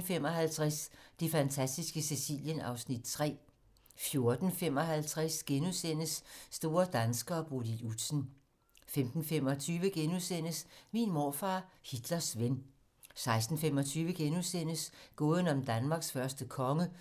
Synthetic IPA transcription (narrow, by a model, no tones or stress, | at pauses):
fem̰ɒ̽hælt͡sʰʁasd̥e̝fænt͡sʰæsd̥isɡ̥əse̝sḭːljənɑ̈ʊsnid̥̚t͡sʰʁɛ̰ː | fjo̝ɐd̥n̩fem̰ɒ̽ɦælt͡sʰʁasɡ̥enusen̰əsːd̥o̝ːɐd̥ænsɡ̥ɐɒ̽b̥odiud̥sn̩ | femd̥n̩fem̰ɒ̽t͡sʰyːʋəɡ̥enuðsen̰əsminmoːfɑ̰̈ːhid̥lɐsʋen | sɑ̈ɪsd̥n̩femɒ̽t͡sʰyːʋəɡ̥enusen̰əsɡ̥ɔ̽ːðˠən̩ɒ̽md̥ænmɑ̈ːɡ̥sfɶɐsd̥əkʰɒ̽ŋə